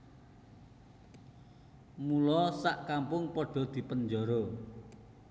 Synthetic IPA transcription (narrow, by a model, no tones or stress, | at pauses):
mulɔsaʔkampʊŋpɔɖ̥ɔ̤d̪̥i̤pənd͡ʒɔɾo